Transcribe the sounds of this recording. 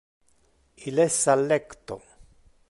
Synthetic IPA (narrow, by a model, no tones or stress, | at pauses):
ilesalekt̪o